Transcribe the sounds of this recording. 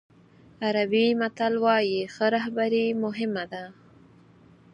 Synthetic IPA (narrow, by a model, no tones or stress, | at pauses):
aɾabimat̪alwɑjixəɾaɦbaɾimʊɦɪmad̪a